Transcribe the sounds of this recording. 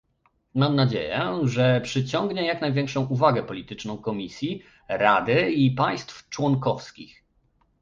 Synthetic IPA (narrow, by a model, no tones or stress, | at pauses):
mamnad͡ʑḛjɛ̰ʐɛpʂɘt͡ɕɔŋɡɲɛjaknajvʲjɛ̃ŋkʂɔ̃w̃uvaɡɛpɔlʲit̪ɘt͡ʂnɔ̃w̃kɔmʲisʲji | ɾad̪ɘipaj̃st̪ft͡ʂwɔŋkɔfskʲḭx